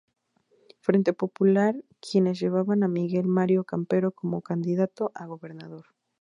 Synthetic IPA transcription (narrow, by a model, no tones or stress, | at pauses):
fɾe̞nt̪e̞po̞pulaɾkje̞ne̞z̬ʝe̞β̞aβanamiɣe̞lmaɾjo̞kampe̞ɾo̞ko̞mo̞kand̪iðat̪o̞ʔaɣo̞βe̞ɾnaðo̞ɾ